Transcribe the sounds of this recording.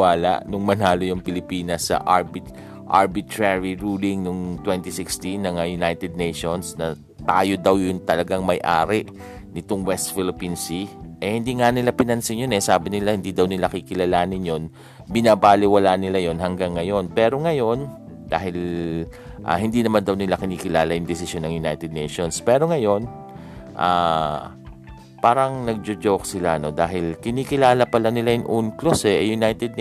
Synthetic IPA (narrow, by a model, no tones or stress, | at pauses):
aːla̰ʔnʊŋmɐnaːlojʊŋpɪlɪpiːnɐsːɐ̰ʔaɹbɪt̪ | ʔa̰ɹbɪt̪ɹɛɹiɹuːlɪŋnʊŋt̪wɛnt̪isɪkst̪inːɐŋajʊnajt̪ɛd̪̚nejʃonsnɐ | t̪aːjo̞d̪ɐwjʊŋt̪ɐlɐɡaŋmɐjʔa̰ːɾɪʔ | nɪt̪oŋwɛst̪fɪlɪpinsiʔɛhɪnd̪iːŋanɪlapɪnɐnsɪɲjonɛsaːbɪnɪlahɪnd̪iːd̪ɐwnɪlakɪkɪlɐlaːnɪnjon | bɪnaːbaːlɪwɐlanɪlajo̞nɦɐŋɡaŋːɐjo̞npɛːɾo̞ŋɐjo̞n | d̪̥a̰ːhɪl | ʔa̰hɪnd̪iːnɐmand̪ɐwnɪlakɪniːkɪlaːlɐjʊŋd̪ɪsɪsjonːɐŋjʊna̰jt̪ɛd̪̚nɛ̰jʃonspɛːɾo̞ŋɐjo̞n | ʔa̰ː | paːɾɐŋnɐɡ̚d͡ʒod͡ʒowksɪla̰no̞d̪aːɦɪlkɪniːkɪlaːlɐpɐlanɪlajʊŋʔunklosɛʔɛjʊnajt̪ɛd̪̚